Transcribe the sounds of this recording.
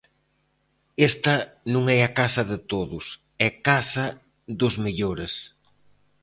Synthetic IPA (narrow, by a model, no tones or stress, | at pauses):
est̪ɐnũŋɛakasɐðɪt̪oðʊs | ɛkasɐ | ðʊzmeʎoɾes